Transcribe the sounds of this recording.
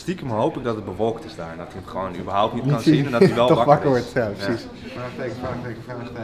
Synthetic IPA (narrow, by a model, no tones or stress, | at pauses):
stikəmɦowpələk̚dɔtəd̚bəʋɔlˠktɪsdaːɹɛndɔtiəχəʋownybəɹɦawptnitɑniɛdɔiʋɛlˠtɔʋɑkəɹʋɔɹtjaprəsis